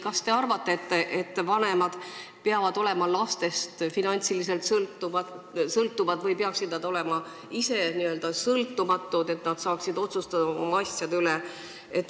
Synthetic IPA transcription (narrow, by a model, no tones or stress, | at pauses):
kɑst̪e̞ɑrvɑt̪ːˑe̞et̪ːeʔet̪ːvɑne̞mɑd̪̥peɑvɑd̪̥o̞le̞mɑlɑst̪e̞st̪finɑnʲt̪silis̬e̞lt̪sɤlt̪ːu | sɤlt̪ːˑuvɑd̪vɤjpeɑksid̪̚nɑd̪o̞le̞mɑ | ise̞niø̞ld̪̥ɑsɤlt̪ːumɑt̪ːˑud̪e̞t̪nɑd̪̥sɑːksid̪o̞t̪sust̪ɑd̪ɑoo̞̰mɑɑsʲjɑd̪yle | et̪ːˑ